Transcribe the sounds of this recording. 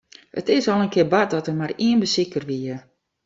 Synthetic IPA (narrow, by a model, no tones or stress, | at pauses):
ə̰tɪsɔlˠənkʰɪbat̚dɔtərmariənbəsikərʋiə